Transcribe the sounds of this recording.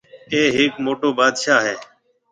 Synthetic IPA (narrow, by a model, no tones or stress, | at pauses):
eːɦɪːkmoːʈoːbaːd̪ʃaːɦeː